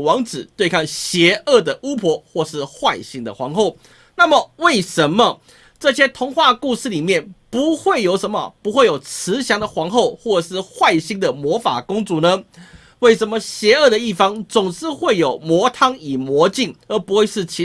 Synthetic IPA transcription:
wɑ˧˥ŋt͡sɹɻ̩˨˩t̪we˥˧ɪkʰɑ˥˩ŋɕjɛ˧˥ə˥˩d̪ə˩u˥pʰwɔ˧˥xwɔ˥˧ʂɻ̩˥˧xwa˥˧ɪɕi˧˥ŋd̪ə˨xwɑ˧˥ŋxo˥˩ʊ | na˥˩mə˨we˥˩ɪʂə˧˦nmə˨ | ʈ͡ʂɤ˥˧ɕjɛ˥t̪ʰʊ˧˥ŋxwa˥˧ku˥˧ʂɻ̩˥˩˨li˨˩mjɛ˥˩npu˨˥xwe˥˩ɪjo˧˥ʊʂə˧˦nmə̰˨pu˧˥xwe˥˩ɪjo˨˩ʊt͡s̩ʰ˧˥ɕjɑ˧˥ŋd̪ə˨xwɑ˧˥ŋxo˥˧ʊxwɔ˥˩˧ʂɻ̩˥˧xwa˥˩ɪɕi˥ŋd̪ə˨mwɔ˧˥fa̰˨˩kʊ˥ŋt͡su˨˥˦nə˧˦ | we˥˩ɪʂə˧˦nmə˧ɕjɛ˧˥ə˥˩d̪ə˩i˥˩fɑ˥ŋt͡sʊ˨˩ŋʂɻ̩˥˧xwe˥˩ɪjo˨˩ʊmwɔ˧˥t̪ʰɑ˥ŋi˨˩mwɔ˧˥t͡ɕi˥˩ŋə˧˥pu˧˥xwe˥˧ɪʂɻ̩˥˩t͡ɕʰi˧˥

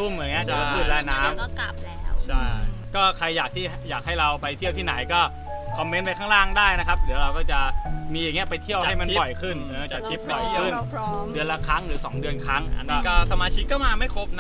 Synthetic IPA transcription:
u˥˩m˨˩˨ŋːi˦˥ɐt͡ɕa˨˩a˧˥pʰɯː˨˩laː˧jnaː˦˥m˥˩ka˨˩p̚t͡ɕʰa˥˩jkɔː˥˩kʰa˧jːaː˨˩k̚t̪ʰiː˥˩jaː˨˩k̚ha˥˩jɾa˧wpa˧jt̪ʰi˥˩əwt̪ʰiː˥˩na˩˦jkɔː˥˩ | kʰɔ˧mːe˦˥npa˧jkʰaː˥˩ŋɾaː˥˩ŋdaː˥˩jna˦˥kʰa˦˥p̚dɯ˩˦ɐwɾa˧wkɔː˥˩t͡ɕa˨˩miː˧jaː˨˩ŋːi˦˥ɐpa˧jt̪ʰi˥˩əwa˨˥˩jma˧npɔ˨˩jkʰɯ˥˩nʔɤː˧˩t͡ɕa˨˩i˦˥p̚ɔ˨˩kʰɯ˥˩nʰdɯ˧ənla˦˧˥kʰɾa˦˥ŋɾɯː˩˦sɔː˩˦ŋdɯ˧ənkʰɾa˦˥ŋʔa̰˧nɔː˦˥˩kɔː˥˩sa˧maː˧t͡ɕʰi˦˥kːɔː˥˩maː˧ma˥˩jkʰo˦˥p̚n˦

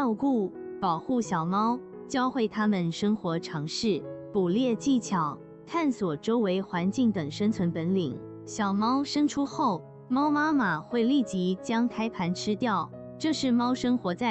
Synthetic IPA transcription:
ʊku˥˩pɑ˨˩ʊxu˥˩ɕjɑ˨˩ʊmɑ˥ʊ | t͡ɕjɑ˥ʊxwe˥˩ɪt̪ʰa˥mə˨nʂɤ˥ŋxwɔ˧˥ʈ͡ʂʰɑ˧˥ŋʂɻ̩˥˩pu˨˩ljɛ˥˧t͡ɕi˥˩t͡ɕʰjɑ˨˩˦ʊ | t̪ʰa˥˩nswɔ˨˩ʈ͡ʂo˥ʊwe˧˥ɪxwa˧˥nt͡ɕi˥˩ŋt̪ɤ˨˩ŋʂə˥ŋt͡sʰwə˧˥npə˧˥nli˨˩˦ŋ | ɕjɑ˨˩ʊmɑ˥ʊʂɤ˥ŋʈ͡ʂʰu˥xo˥˩ʊ | mɑ˥ʊma˥ma˨˩xwe˥˧ɪli˥˩t͡ɕi˧˥t͡ɕjɑ˥ŋk̪ʰa˥ɪpʰa˧˥nʈ͡ʂʰɻ̩˥t̪jɑ˥˩ʊ | ʈ͡ʂɤ˥˧ʂɻ̩˥˩mɑ˥ʊʂɤ˥ŋxwɔ˧˥t͡sa˥˩

